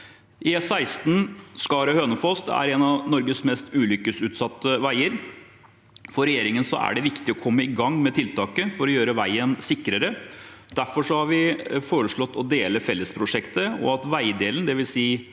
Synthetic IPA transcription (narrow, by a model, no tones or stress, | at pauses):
ʔɪsæɪst̪nskɑːɾəhøːnəfɔst̪æ̰ɾɛnɑnɔɾɡəsmɛst̪ʉːlʏkəsʉːt̪sɑt̪ːəʋæɪəɾ | fɔɾɛjeːɾɪŋənsɔ̰ʔæ̰ɖɛʋɪkt̪ɪɔkʰɔmːəɪɡɑŋːmɛt̪ʰɪlt̪ɑːkəfɔɾɔjøːɾəʋæɪənsɪkːɾəɾəd̪̥æɾfɔʂɔhɑɾʋɪfoːɾəʂɭɔt̪ːɔd̪eːləfɛlːəspʰɾʊʂɛkt̪əɔ̰ɑt̪ʋæɪd̪eːlən̩d̪ɛʋɪlsiː